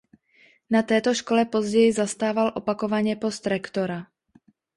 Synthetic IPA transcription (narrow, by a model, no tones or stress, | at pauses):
nat̪ɛːt̪o̞ʃko̞lɛpo̞zɟɛjɪzast̪aːvalʔo̞pako̞vaɲɛpo̞st̪ɾɛkt̪o̞ɾa